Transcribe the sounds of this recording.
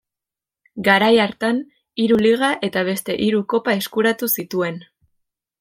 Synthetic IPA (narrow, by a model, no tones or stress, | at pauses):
ɡaɾajaɾt̪an | iɾuliɣ̞aʔe̞t̪aβ̞e̞st̪e̞ʔiɾuko̞pae̞skuɾat̪usit̪ue̞n